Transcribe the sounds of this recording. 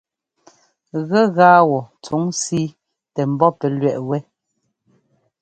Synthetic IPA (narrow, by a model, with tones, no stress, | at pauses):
ɣɛ˦˨ɣaː˦wɔ˨t͡su˨˦ŋsi˦ | tɛ˨m̩˨bɔ˦pɛ˨lɥɛ˦˨ʔwɛ˦